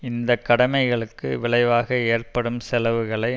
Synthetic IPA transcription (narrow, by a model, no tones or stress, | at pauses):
ɪnd̪ɐkːɐɽɐmɐɪɣɐɭɯkːɯʋɪɭɐɪʋaːɣɐeːrpɐɽɯmsɛlɐʋɯɣɐɭɐɪ